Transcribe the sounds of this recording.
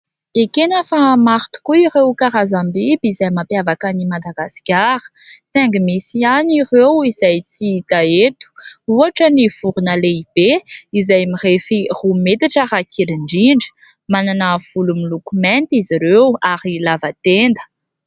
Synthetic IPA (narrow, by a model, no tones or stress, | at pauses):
ekenəfamaɾt̪u̥kuirewkaɾazambibizajmapeavakanimad̪aɡasi̥kʲaɾə̥sɛŋɡimisianirewizajt͡sit̪aet̪u̥uaʈ͡ʂəniv̥uɾunəleib̥eizajmirefirumet̪aʈ͡ʂəɾakʰiliɳɖ͡ʐiɳɖ͡ʐə̥ | mananəv̥ulumilukumɛnt̪iziɾewaɾilavat̪end̪ə̥